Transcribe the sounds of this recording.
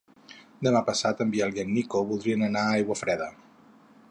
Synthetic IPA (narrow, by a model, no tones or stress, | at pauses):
d̪əmapəsat̪əmbialiənːikoβulˠd̪ɾiənənaajɣwəfɾɛðə